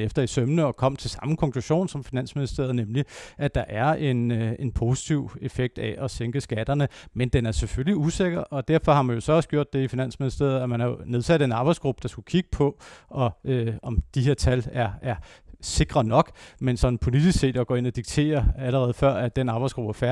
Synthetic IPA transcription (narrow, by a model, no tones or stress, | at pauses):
efd̥ɐisømnəɒ̽kʰɒ̽m̰t͡sʰe̝lsɑ̈mkʰɒ̽ŋkʰluɕo̝̰ːnsɒ̽mfinæn̰sminisd̥ḛɐð̞̩ˠnemliʔæd̥ɑ̈ʔæɐe̝ne̝npʰo̝si̥t͡sʰiʊe̝feɡ̥̚d̥æʔɒseŋɡ̥əsɡ̥æd̥ɐnəmend̥enæɐseføliuse̝ɡ̥ɐʔɒ̽d̥æɐfɒ̽hɑ̈mænjo̝sɒ̽ɒ̽səɡ̥jo̰d̥ːe̝ifinæn̰sminisd̥ḛːɐð̩ˠæmænhɑjone̝ð̞ˠsæd̥e̝nɑ̈ːb̥ɑɪsɡ̥ʁub̥əd̥ɑ̈sɡ̥ukʰiɡ̥ə̥pʰɒ̽ʔɒ̽øɒ̽md̥ihe̝ɐ̰t͡sʰælæɐæɐse̝ɡ̥ʁɐnɒ̽ɡ̥mensɒ̽nn̩pʰo̝lid̥isɡ̥se̝̰ːd̥ɒɡ̥ɒ̰ːe̝nɒ̽d̥iɡ̥̚t͡sʰe̝̰ːɐæləʁɛːð̞̩ˠfɶɐ̰æd̥enɑ̈ːb̥ɑɪsɡ̥ub̥æɐfæɐ